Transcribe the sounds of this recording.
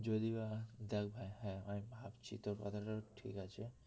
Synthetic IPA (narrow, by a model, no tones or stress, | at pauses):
d͡ʑod̪ibad̪ɛk̚ʰbʱajɦɛ̃amibʱabt͡ɕʰḭt̪oɾkɔ̰t̪ʰaʈaʈʰḭkat͡ɕʰe